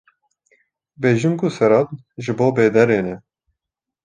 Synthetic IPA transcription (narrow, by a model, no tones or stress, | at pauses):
beːʒimkʰusɛɾɑt̪ | ʒɨboːbeːd̪ɛɾeːnɛ